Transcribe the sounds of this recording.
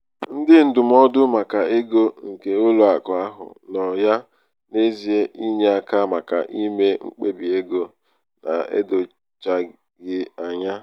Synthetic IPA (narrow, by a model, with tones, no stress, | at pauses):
n̩˦dɪ˦n̩˦dʊ˨m̩˦ɔ˦dʊ˦ma˨ka˨e˦ɡo˦ŋ̩˨ke˨o˦lo˨a˨kɔ˨a˦ɦʊ̰˨nɔ˨ja˦ | ne˦zi˨e˦ʔi˦ɲe˦a˨ka˦ma˨ka˨ʔi˦me˦ŋ͡m̩˦k͡pe˦bi˨e˦ɡo˦ | na̰˨ḛ˦do˨ | t͡ʃa˦ | ɡɪ˦a˨ɲa˦